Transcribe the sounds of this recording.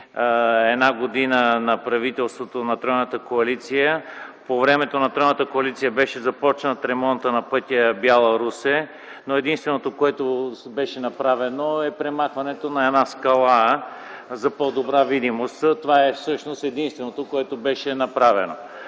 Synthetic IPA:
ɛd̪naɡod̪inənɐpɾɐvit̪ɛlˠst̪vot̪onɐt̪ɾɔjnət̪əkoɐlit̪sijəpovɾɛmɛt̪onɐt̪ɾɔjnət̪əkoɐlit̪sijəbɛʃɛzɐpɔt͡ʃnət̪ɾɛmɔnt̪ənɐpɤt̪ʲiəbjalˠɐɾusɛ | noɛd̪inst̪vɛnot̪okoɛt̪obɛʃɛnɐpɾavɛnoɛpɾɛmaxvɐnɛt̪onɐɛd̪naskɐlˠa | zɐpod̪obɾavid̪imost̪t̪ovaɛfsɤʃnost̪ɛd̪inst̪vɛnot̪okoɛt̪obɛʃɛnɐpɾavɛ̰no

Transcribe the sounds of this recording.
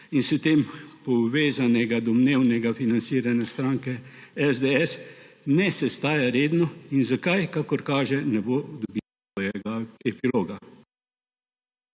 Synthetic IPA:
insɛt̪eːmpɔʋeːzanɛɡad̪ɔmneːwnɛɡafinant̪siːɾanɛst̪ɾaːŋkɛ | ɛzd̪eɛs | nɛsɛst̪aːjaɾeːd̪nɔinzakajkakɔɾkaːʒɛnɛbod̪ɔbitsʋɔːjɛɡaɛpiloːɡa

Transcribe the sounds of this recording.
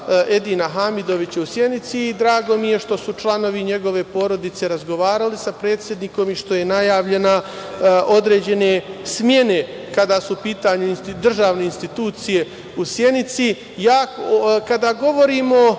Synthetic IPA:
e̞d̪inaɦamid̪o̞ʋit͡ɕausje̞nit̪siːd̪ɾaːɡo̞mije̞ʃt̪o̞sut͡ʃlˠano̞ʋiɲe̞ɡo̞ʋe̞po̞ɾo̞d̪it̪se̞ɾazɡo̞ʋaːɾalisapɾe̞ːt̪sʲjed̪niko̞miʃt̪o̞je̞najaːʋʎe̞naʔo̞d̪ɾe̞ːd͡ʑe̞ne̞smje̞ne̞ | kad̪aːsuːpiːt̪aɲuinst̪id̪r̩ʒaːʋne̞inst̪it̪uːt̪sije̞ | usje̞nit̪si | jaːkkad̪aɡo̞ʋo̞ɾiːmo

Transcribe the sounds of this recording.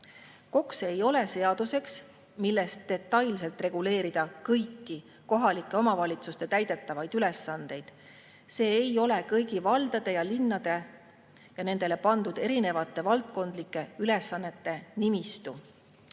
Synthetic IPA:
ko̞kse̞jo̞le̞se̞ɑd̪̥use̞ks | milːest̪d̪e̞t̪ːˑɑjls̬e̞lt̪ˑre̞ɡ̥ule̞ːɾid̪̥ɑkɤjkːi | ko̞ɦɑlikˑːe̞o̞mɑvɑlʲit̪sust̪e̞t̪æjd̪e̞t̪ːˑɑvɑjd̪yle̞sːɑnd̪̥e̞jd̪̥ | se̞ːjo̞le̞kɤjɡ̥ivɑld̪̥ɑd̪̥e̞jɑlinːɑd̪̥e̞ | jɑne̞nd̪̥e̞le̞pɑnd̪ud̪̥e̞ɾine̞vɑt̪ːˑe̞vɑlt̪̚ko̞nd̪̥likːˑe̞yle̞sːɑnːe̞t̪ːe̞nimist̪u

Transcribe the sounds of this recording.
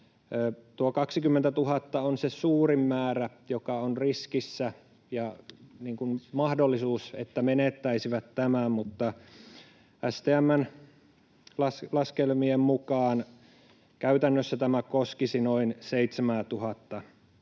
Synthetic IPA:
t̪uokɑksikymːent̪æt̪uhɑt̪ːɑonsesuːrimːæːræjokɑonriskisːæ | jɑniːŋkunmɑhdolːisuːsḛt̪ːæmenet̪ːæisiʋæt̪tæmæmut̪ːɑ | ʔæst̪eːæmːæn | lɑslɑskelmiemmukɑːn | kæyt̪ænːøsːæt̪æmækoskisinoinseit̪semæːt̪uhɑt̪ːɑ

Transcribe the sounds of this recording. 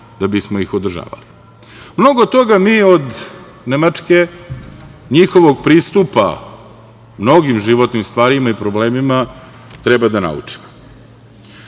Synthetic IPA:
d̪̥abismo̞ixod̪r̩ʒa̰ːʋa̰li | mno̞ɡot̪o̞ɡamiːo̞d̪ | nemat͡ʂke | ɲixo̞ʋoɡpɾiːst̪upa̰ | mno̞ɡimʒiʋo̞t̪nimst̪ʋaːɾimaipɾobleːmima | t̪ɾebad̪ana̰ṵt͡ʂi̥mo

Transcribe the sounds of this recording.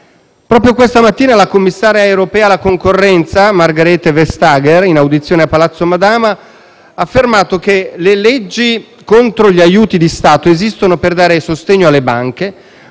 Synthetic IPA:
pɾɔːpɾjokwest̪amat̪ːiːnalakomːisːaːɾjaewɾopɛːalakoŋkorːɛnt̪samarɡaɾet̪ːevest̪aːɡerinawd̪it̪sːjoːneapːalat̪sːomad̪aːma | aːfːermaːt̪ok̟elelɛd͡ʒːi | kont̪ɾoʎiajuːt̪id̪ist̪aːt̪oezist̪onoperd̪aːɾesost̪eɲːoalːebaŋke

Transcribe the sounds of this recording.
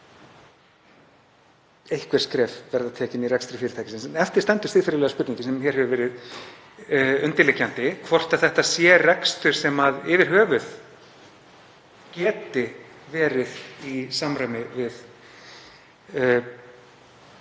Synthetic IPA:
ejhkvɛɾ̥skɾɛːfvɛɾðat̪ʰɛːcɪniɾɛkst̪ɾɪfɪɾɪɾt̪ʰajcɪ̥sɪnsnɛft̪ɪɾ̥t̪ɛnt̪ɪ̥st̪ɪðfɪɾɪʏlɛːɣaspʏt̪ĩɲcɪsɛmçɛɾhɛvʏvɛːɾɪð | ʏnt̪ɪlehcːant̪ɪkʰvɔr̥t̪aθɛht̪asjɛrɛkst̪ʏɾ̥sɛmaðɪvɪɾ̥ɦœːvʏð̥ | cɛːt̪ɪ | vɛːɾɪðisamɾaɥmɪvɪð

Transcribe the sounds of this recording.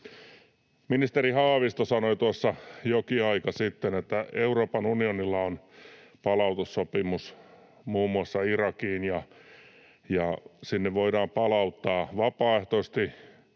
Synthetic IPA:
minist̪erihɑːʋist̪osɑnoit̪uɑsːɑjokiɑikɑsit̪ːenet̪ːæeuroːpɑnunionilːɑon | pɑlɑut̪usːopimus | muːmːuɑsːɑirɑkiːnjɑ | jɑsinːeʋʋoiɾɑːmpɑlɑut̪ːɑːʋɑpɑːeht̪oist̪i

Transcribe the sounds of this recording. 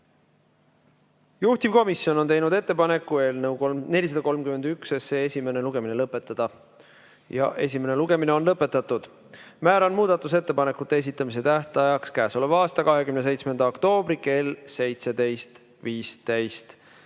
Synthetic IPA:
juht̪ivko̞misjo̞none̞jnud̪e̞t̪ːepɑne̞kːue̞ːlnewkone̞lʲis̬ɑd̪ɑko̞lmkyme̞nd̪yksesse̞ːesʲime̞ne̞luɡ̥e̞mine̞lɤpːˑe̞t̪ːˑɑd̪̥ɑ | jɑ̰ʔe̞sʲime̞ne̞luɡe̞mine̞o̞nlɤpːˑe̞t̪ːˑɑt̪ːˑud̪̥ | mæːɾɑnmuːd̪̥ɑt̪ːˑuse̞t̪ːe̞pɑne̞kːˑut̪ːe̞es̬it̪ːˑɑmis̬e̞t̪æht̪ɑjɑkskæːso̞levɑːst̪ɑkɑɦe̞kymnese̞jt̪sme̞nd̪̥ɑokt̪o̞ːbɾike̞ːlse̞jt̪se̞d̪e̞jst̪ | viːst̪æjst̪

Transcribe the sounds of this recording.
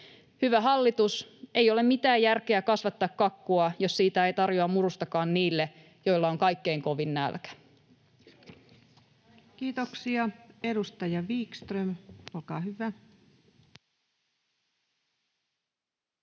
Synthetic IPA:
hyʋæɦɑlːit̪use̞ijo̞le̞mmit̪æːjjærkeækɑsʋɑt̪ːɑːkkɑkːuɑjo̞ssiːt̪æejt̪ɑrjoɑmmurust̪ɑkɑːnniːlːe | jo̞ilːɑoŋkɑjkːe̞iŋko̞ʋinnæ̰lkæ̥ | kiːt̪oksiɑe̞dust̪ɑjɑʋiːkst̪rømolkɑːhyʋæ

